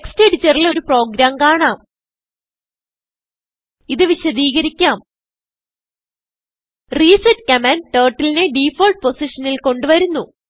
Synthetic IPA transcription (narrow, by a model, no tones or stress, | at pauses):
eksteːɖt͡ɕerilo̞ɾupro̞ːɡɾaːmkaːɳaːm | iðɨʋiɕɐd̪iːɣɐɾikʲːaːm | riːsɐtkɐmɐnʈeːrʈːilineɖiːfoːlʈ̚po̞siʂɐnilko̞ɳɖuʋɐɾunːu